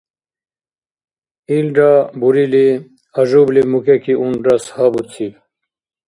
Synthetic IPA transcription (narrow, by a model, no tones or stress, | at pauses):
ilɖabuɾili | ɐʑublimukekiunɖɐshabut͡sʰib